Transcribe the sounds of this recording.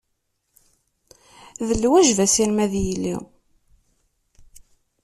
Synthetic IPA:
ðəlːwæʒvæsiɾmæðjəlːḭ

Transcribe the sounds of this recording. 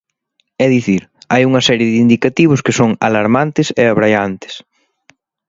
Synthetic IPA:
ɛðiθiɾajuŋɐsɛɾjɪðind̪ikat̪iβ̞ʊskɪsoŋa̰laɾmant̪ɪseaβɾajant̪ɪ̥s

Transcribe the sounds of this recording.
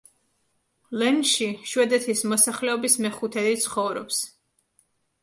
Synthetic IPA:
lɛnʃiʃwɛd̪ɛt̪ʰismɔsaχlɛɔbismɛχut̪ʰɛd̪it̪sʰχɔvɾɔ̰ps

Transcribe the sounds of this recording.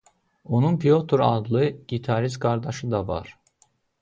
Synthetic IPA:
o̞nunpijot̪ʰoɾad̪lˠɯɟ̥it̪ʰaɾizkʰaɾd̪aʃɯd̪ava̰ɾ̥

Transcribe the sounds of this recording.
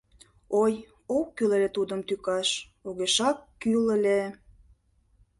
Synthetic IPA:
oj | oːylelʲet̪ud̪əmt̪ykɑʃ | oɣeʃɑkːyləlʲe

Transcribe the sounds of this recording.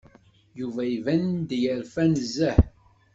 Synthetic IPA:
juvæivænd̪jəɾfænəzːəħ

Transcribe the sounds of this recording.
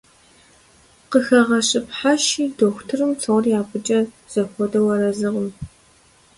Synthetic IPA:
qəxɐʁɐɕʼɪpħaʃiːdoːxʷtʰɨrɨmt͡sʰɨʁʷʊrjaːpʼɨt͡ʃʼɐ | z̥ɐxʷɔdɐwɐɾɐzɨʁəm

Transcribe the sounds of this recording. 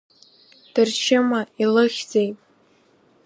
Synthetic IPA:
d̥ɨrt͡ʃʰɪmailɨχʲze̞jtʼ

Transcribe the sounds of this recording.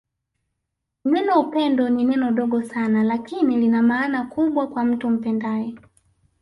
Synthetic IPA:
nɛnɔupɛndɔninɛnɔɗɔɡɔsanalakinilinamaːnakuɓwakwam̩tum̩pɛndajɛ

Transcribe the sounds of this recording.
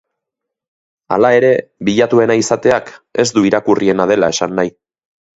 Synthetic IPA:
a̰lae̞ɾe̞βiʎat̪ue̞naisat̪e̞ake̞zd̪uiɾakurie̞nað̞e̞lae̞sanːaj

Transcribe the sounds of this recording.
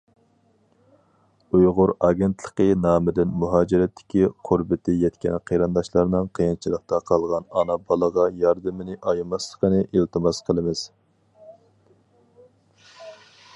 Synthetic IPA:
ujʁʊɾɑːɡʲent̪ʰlˠəqənɑːmɪd̪ɪnmuɦɑːd͡ʒɪɾɛt̪ʰːɪ̥kʲiqʰʊɾbɪt̪ʰɪjɛt̪kʲɛ̰nqʰeɾɨnd̪ɑʃlˠɑɾnɨŋqʰəjint͡ʃʰilˠəq̚t̪ɑqʰɑlˠʁɑnɑnɑbɑlˠəʁɑjɑɾd̪ɨmɪnɪʔɑjmɑslˠə̥qənɨʔilt̪ʰɨmɑsqʰəlˠɨmɪz̥

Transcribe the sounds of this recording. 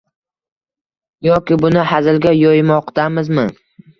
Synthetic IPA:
jɒkʲɪbʊnɪhazɪlɡʲajɒjmɒqt̪amɪzmɪ

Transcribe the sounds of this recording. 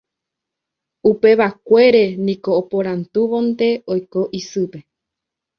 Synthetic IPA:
upe̞ʋakʷe̞ɾe̞nĩko̞ːpoɾant̪uʋõnd̪e̞ojko̞ʔisɨpe̞

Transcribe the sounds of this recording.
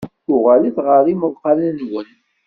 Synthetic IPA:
ʊʁæliθʁəɾimʊðqɑlənwən

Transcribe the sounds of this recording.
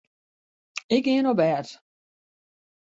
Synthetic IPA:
ɪkɪənobɛt

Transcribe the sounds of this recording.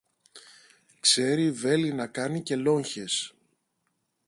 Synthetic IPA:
kse̞ɾive̞linɐkɐnice̞lo̞ɲçe̞s

